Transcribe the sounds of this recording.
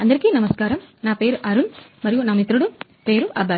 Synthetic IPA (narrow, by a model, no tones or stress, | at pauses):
ɐnd̪ɐɾkinɐmɐskaːɾɐmnaːpeːɾʔɐɾunmɐɾɪjʋunɐmit̪ːɾɯɽu | peːɾuʔɐbɐ